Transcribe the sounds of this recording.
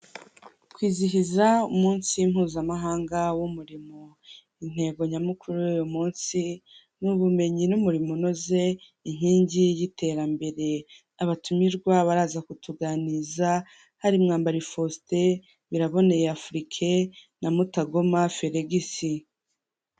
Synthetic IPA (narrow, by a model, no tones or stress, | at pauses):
kwiːziçizaumuːnsim̥huːzamaɦaːŋɡawumuɾimo | in̥he̞ːɡo̞ɲamukʰuɾujujomuːnsi | nuβume̞ɲinumuɾimunoze̞ | iɲ̥hiːɲɟijitʰe̞ɾambe̞ɾe̞ | aβatumiɾɡwaβaɾaːzakutʰuɡaniza | haɾimŋaːmbaɾifo̞ste̞ | βiɾaβo̞ne̞jeafɾikʰe | namutaɡomafeɾeɡisi